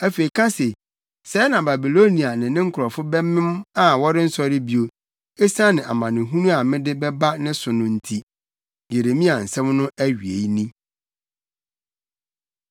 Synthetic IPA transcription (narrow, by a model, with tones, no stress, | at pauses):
æ˦fe˨i˨kʰã˦se˨ | sɛː˨˦nã˨ba˨bi˨lo˦nĩ˨a˨nɪ̃˨nɪ̃˦ŋ̩˦kʰʊ˨ɾɔ˨fʊ˦bɛ˦mɪ̃˦ma˨wɔ˦ɾɪ˦n̩˦sɔ˦ɾɪ˦bi˦o˨ | e˦sã˦nɪ̃˨ʔa̰˨mã˨nɪ̃˨ɦũ˦nũ˦a˨mɪ̃˦dɪ˦bɛ˦ba˦nɪ̃˦sʊ˨nʊ̃˦n̩˦tʰi˦ | je˨ɾe˨mĩ˦a˨n̩˨sɛ̃˦mnʊ̃˦ʔæ˦ɥi˨ḛ˨i˦nĩ˦